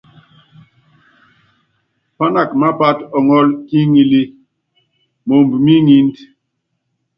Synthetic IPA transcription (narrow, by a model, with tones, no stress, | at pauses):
pa˦na˨kma˦pa˦tɔ˨ŋɔ˦lki˦ŋi˦li˦ | mo˨mbmi˦ŋi˦nd